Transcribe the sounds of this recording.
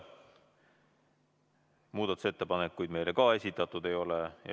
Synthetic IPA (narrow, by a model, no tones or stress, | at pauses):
muːd̪̥ɑt̪use̞t̪ːe̞pɑnekːujd̪me̞jlekɑe̞sʲit̪ːˑɑt̪ːˑud̪e̞jo̞lejɑ̰